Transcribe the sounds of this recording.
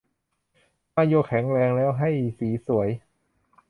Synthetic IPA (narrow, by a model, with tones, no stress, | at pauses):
maː˧˥˩jo˥˩kʰɛ˩˦ŋɾɛː˧ŋlɛː˦˥wɦa˥˩jsiː˩˦su˩˦əj